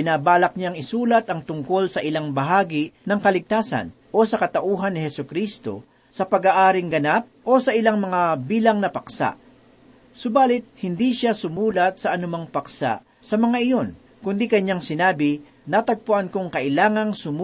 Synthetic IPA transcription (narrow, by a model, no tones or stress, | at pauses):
pɪnaːbaːlɐk̚ɲaŋɪsuːlɐt̪ʔɐŋt̪ʊŋko̞lsɐʔɪlaŋbɐɦaːɡɪnɐŋkɐlɪɡ̚t̪aːsɐ̰nʔo̞sɐkɐt̪ɐʔuːɦɐnːɪhɛsʊkɾist̪o̞̰ | sɐpɐɡaːʔaːɾɪŋɡɐnap̚ʔo̞sɐʔɪlaŋmɐŋabiːlɐŋnɐpɐksa̰ʔ | sʊbaːlɪt̪̚hɪnd̪iʃasʊmuːlɐt̪̚sɐʔɐnʊmaŋpɐksa̰ʔ | sɐmɐŋaʔɪjo̞n | kʊnd̪ikɐɲːaŋsɪnaːbɪ | nat̪ɐɡ̚pʊʔankoŋkɐʔɪlaːŋɐŋsʊm